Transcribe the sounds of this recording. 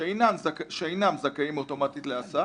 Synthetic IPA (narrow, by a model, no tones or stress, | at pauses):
ejnamzakʃeejnamzakaimot̪o̞mat̪it̪leasa